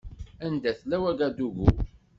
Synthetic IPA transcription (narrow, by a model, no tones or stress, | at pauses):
ænd̪æθlæwæɡæd̪uʝṵ